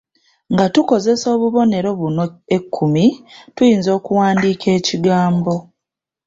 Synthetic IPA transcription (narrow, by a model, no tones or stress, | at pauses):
ŋɡatuko̞ze̞so̞ːβuβo̞ne̞ɾo̞βunoekʰːumitujiːnzo̞ːkuwaːndiːkʰe̞ːciɡaːmbo̞